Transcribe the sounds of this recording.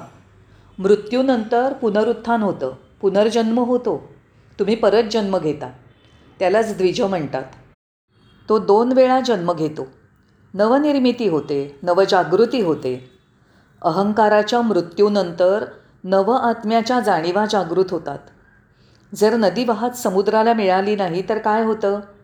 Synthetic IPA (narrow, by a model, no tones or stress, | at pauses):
mɾut̪juːnənt̪əɾpunəɾut̪ʰːanɦot̪ə̰ː | pun̤əɾd͡ʑənməɦot̪o | t̪um̤iːpəɾət̪̚d͡ʑənməɡʱet̪a | t̪jalat͡sd̪ʋid͡ʑʱəm̤əɳt̪a̰t̪ | t̪od̪onʋeɭad͡ʑənməɡʱet̪o | nəʋəniɾmit̪iːɦot̪enəʋəd͡ʑaɡɾut̪iːɦot̪e | əɦəŋkaɾat͡ɕjamɾut̪junənt̪əɾ | nəʋəʔat̪mjat͡ɕjad͡zaɽ̃iʋad͡ʑaɡɾuːt̪ɦot̪a̰t̪ | d͡zəɾnəd̪iːʋaɦət̪səmud̪ɾalamiɭaliːnaɦit̪əɾkajɦot̪əː